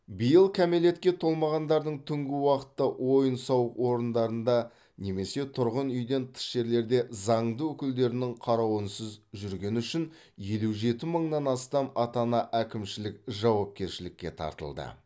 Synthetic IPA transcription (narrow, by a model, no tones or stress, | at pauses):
bijəlˠkʲʰæmele̞t̪̚kʲe̞t̪ʰo̞lˠmɑʁɑnd̪ɑɾd̪əɴt̪ʰʏŋɡʲɪwɑqə̥t̪ːɑwʔo̞jənsɑwəqwo̞ɾənd̪ɑɾənd̪ɑ | ne̞me̞se̞t̪ʰʊɾʁənʏjd̪e̞nt̪ʰə̥ʃʒe̞ɾle̞ɾd̪e̞zɑɴd̪əwɵkʲɪld̪e̞ɾɪnɪŋqʰɑɾɑwənsəzʒʏɾɡʲe̞nʏʃɪn | je̞luʒe̞t̪ɪməɴnɑnɑst̪ɑmɑt̪ɑnɑʔækʲɪmʃɪlɪkʒɑwɑp̚kʲe̞ɾʃɪlɪkʲːe̞̰t̪ʰɑ̰ɾt̪ə̰lˠd̪ə̰